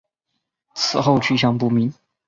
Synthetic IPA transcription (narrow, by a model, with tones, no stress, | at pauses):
t͡sʰɹ̩˨˩xo˥˧ʊt͡ɕʰy˥˩ɕ̬jɑ˥˩ŋpu˥˩mi˧˥n